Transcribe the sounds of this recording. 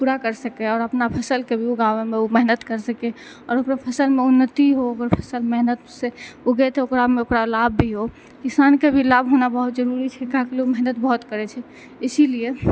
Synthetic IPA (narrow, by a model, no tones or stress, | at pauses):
puɾakəɾsəkɛɔːɾəpnapʰəsəlkebʱioɡawemeumɛɦnət̪kəɾsəke | ɔːɾokɾapʰəsəlmeunːət̪iɦooɡəɾpʰəsəlmɛɦnət̪seoɡɛt̪eokɾameokɾalabːʱiɦo | kisankebʱilabʱɦonabəɦut̪d͡ʒəɾuɾit͡ʃʰɛkaɦkleməɦnət̪bəɦut̪kəɾɛt͡ʃʰɛ | ɪsilije